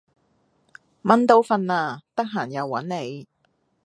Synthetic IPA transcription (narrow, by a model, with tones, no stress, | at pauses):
mɐ˨˥nt̪o˨˧˥wfɐ˧nlaː˧t̪ɐ˥k̚ɦaː˨˩njɐ˨˧wːɐ̰˨˥nːe˨˧j